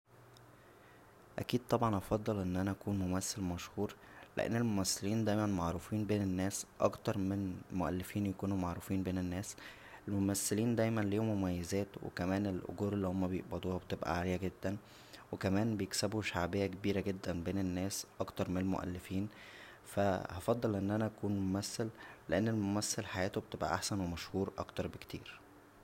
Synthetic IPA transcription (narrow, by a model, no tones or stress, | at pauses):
ʔæ̰kiːd̪̚t̪ˤɑbʕɑnʔɑfɑd̪ˤːɑlʔenːʔænæʔækuːnmomæsːælmæʃhuːɾ | lḛʔḛnːelmomæsːeliːnd̪æjmænmaʕɾˤuːfiːnbeːnenːæːsʔɑ̰kt̪ɑɾˤmenmoʔæ̰lːefiːnjækuːnumaʕɾuːfiːnbeːnenːæːs | ʔelmomæsːeliːnd̪æjmænliːomomæjːezæːt̪wḛkæmæːnelʔo̰ɡuːɾelːihomːæbejo̰ʔbæd̪ˤuːhɑbet̪ebʔæ̰ʕaːlejæɡed̪ːæn | wekæmæːnbejeksebuʃaʕbejːækebiːɾæɡed̪ːænbeːnenːæːsʔɑkt̪ɑɾˤmenelmo̰ʔæ̰lːefiːn | fæhɑfɑd̪ˤːɑlʔenːʔænæʔækuːnmomæsːælleʔenːelmomæsːælħajæːt̪obet̪ebʔæ̰ʔaħsænwemæʃhuːɾʔɑ̰kt̪ɑɾˤbekt̪ʰḭːɾ